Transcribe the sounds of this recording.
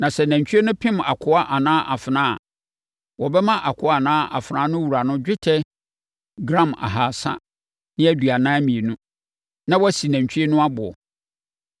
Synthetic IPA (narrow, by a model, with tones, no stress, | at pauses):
nã˨sɛ˨næ̃˨ɲ˨t͡ɕʰᶣi˦e˦nʊ̃˦pʰɪ̃˦ma̰˨kʰʊ˦a˦ʔa˨nãː˦ʔa˨fɪ˨nãː˦a˨ | wɔ˨bɛ˦mã˦ʔa˨kʰʊ˦a˨nãː˦ʔa̰˨fnã˨˦nʊ̃˦wu˨ɾa˨nʊ̃˦d͡ʑᶣɪ˦tʰɛ˦ | ɡɾã˦˨ma̰˨ɦaː˨sa̰˦ | nɪ̃˦æ˦dɥa˨nãː˦mĩ˨e˨nũ˦ | nã˦wɔ˦si˨næ̃˨ɲt͡ɕᶣʰɥe˦nʊ̃˦a˦bʊ˨ɔ̰˨